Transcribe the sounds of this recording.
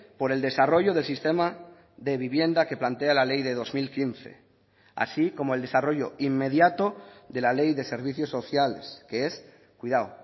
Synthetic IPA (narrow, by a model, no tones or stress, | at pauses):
po̞ɾe̞ld̪e̞saro̞ʝoð̞e̞lsist̪e̞ma | ðe̞β̞iβje̞nd̪ake̞plant̪ealale̞jðeð̞o̞zmilkin̟θe̞̰ | a̰siko̞moeld̪e̞saro̞ʝo̰imːe̞ð̞jat̪oðe̞lale̞jðe̞se̞ɾβ̞iθjo̞sːo̞θjale̞̰ske̞es | kwuijðaw